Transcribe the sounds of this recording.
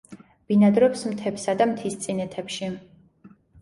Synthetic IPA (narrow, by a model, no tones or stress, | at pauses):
b̥inad̪ɾɔpsmt̪ʰɛpsad̪amt̪ʰist̪sʼinɛt̪ʰɛpʃi